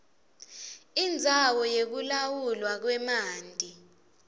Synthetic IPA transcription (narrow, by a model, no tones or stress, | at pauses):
ind͡zʱawɔjek̬ulawulwak̬wɛmaːndʱʼi